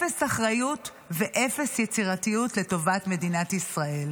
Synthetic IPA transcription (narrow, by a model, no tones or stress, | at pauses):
esaχʁajut | veʔefesjet͡siʁatijutle̞to̞vatme̞dinatisʁae̞l